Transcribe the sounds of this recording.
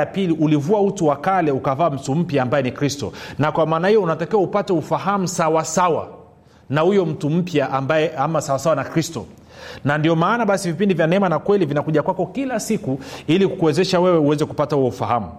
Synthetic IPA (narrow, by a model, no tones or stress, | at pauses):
apiliʔulivuautuwakalɛukavaːm̩tum̩pjaːmbajɛnikɾistɔ̰nakwamaːnahijɔunatakiwaupatɛufaɦamusawasawa̰ | nahujɔm̩tum̩pjaʔambaɛamasawasawanakɾistɔ̰ | nandiɔmaːnaɓasivipindivjanɛmanakwɛlivinakuʄakwakɔkilasikuilikkuɛzɛʃawɛwɛuwɛzɛku̥patahuwɔufahamu